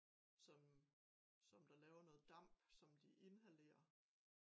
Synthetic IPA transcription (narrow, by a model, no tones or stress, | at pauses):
sɒ | sɒ̽md̥ɑ̈lɛːʊɐnɔ̽ːð̩ˠd̥ɑ̈m̰b̥sɒ̽md̥iʔe̝nɦæle̝̰ːɐ